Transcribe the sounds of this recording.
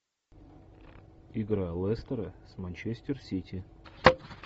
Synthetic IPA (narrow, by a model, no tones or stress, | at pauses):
iɡɾalˠɛst̪əɾəsmɐnʲt͡ɕesʲtʲɪrsʲitʲi